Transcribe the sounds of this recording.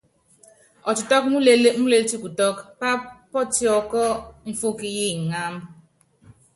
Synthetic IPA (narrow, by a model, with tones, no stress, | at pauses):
ɔ˨tʊ˨tɔ˦kmu˦le˦e˦mu˦le˦lti˦ku˨tɔ˦kpa˦pɔ˦ti˦ɔ˨kɔ˦m̩˦fo˦ki˦ji˦˨ŋ̩˨ŋa˦m̩˦